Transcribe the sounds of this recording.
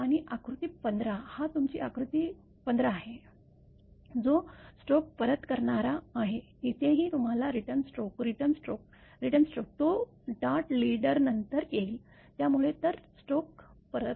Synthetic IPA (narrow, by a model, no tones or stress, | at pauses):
aɽ̃iʔakɾut̪iːpənd̪ɾahat̪umt͡ɕḭːakɾut̪i | pənd̪ɾaːɦe | d͡zosʈok̚pəɾət̪kəɾɳaɾaːɦeɦit̪ʰeɦiːt̪um̤alaɾiʈəɾnsʈokɾiʈənsʈɾok̚ | ɾiʈənsʈok̚t̪o | ɖaɾʈliɽəɾnənt̪əɾkeli | t̪jamuɭet̪əɾsʈok̚pəɾət̪